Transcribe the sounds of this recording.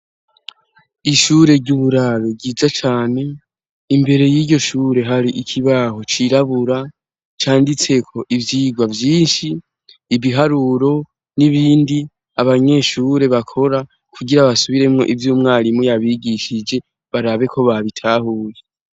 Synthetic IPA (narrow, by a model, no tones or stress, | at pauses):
iʃuːɾe̞ɾɟuːβuɾaɾoɟiːzat͡ʃaːne̞ | imbe̞ɾe̞jiːɟo̞ʃuːɾe̞ɦaɾiʔikʰiβaɦo̞t͡ʃiɾaβuɾa | t͡ʃaːndit͡se̞kʰo̞ʔivjiːɡwavjiːnʃiː | βiɦaɾuɾo̞ | niβiːndi | aβaɲe̞ːʃuːɾe̞βakʰo̞ɾa | kʰuɡiɾaβasuβiɾe̞mŋo̞̰ʔivjuːmŋaːɾimujaβiɡiʃid͡ʒe̞ | βaɾaβe̞kʰo̞βaβitʰaːhuːje